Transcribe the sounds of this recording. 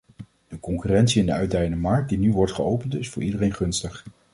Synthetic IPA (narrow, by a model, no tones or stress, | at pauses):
d̥əkɔŋkyrɛntsiɪndəœɥdɛjəndəmɑɹk̚dinyʋɔɹtχəowpəntɪsfʊːɹʔidərejnχɵnstəχ